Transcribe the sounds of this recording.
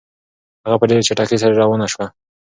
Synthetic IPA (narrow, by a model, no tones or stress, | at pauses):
haɣapədet͡ʃaʈakes̬aɾaɾɑwənaʃwa